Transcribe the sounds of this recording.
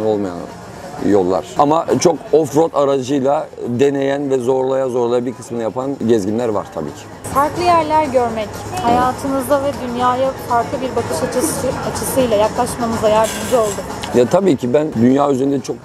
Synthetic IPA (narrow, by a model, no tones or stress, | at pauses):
nolˠmaja̰n | jo̞lˠːa̰ɾ̥amat͡ʃʰo̞kofɾot̪ʰaɾad͡ʒɯjlˠad̪e̞ne̞jænvɛzo̞ɾlˠajazo̞ɾlˠajabiɾkʰɯ̥smɯnajapʰanɟɛzɟʲinlʲæɾva̰ɾ̥t̪ʰa̰bḭːcʰɪ̥ | faɾklˠɯjæɾlʲæɾɟø̞ɾmetʲhajaːt̪ʰɯnɯzd̪avɛd̪ynjaːjafaɾklˠɯbiɾbakʰɯʃat͡ʃat͡ʃʰɯsɯjlˠajaklˠaʃmamɯzajaɾd̪ɯmd͡ʒɯo̞lˠd̪ʊ | jat̪ʰabiːcʰibænd̪ynjaːyzeɾynd̪ɛt͡ʃʰok̚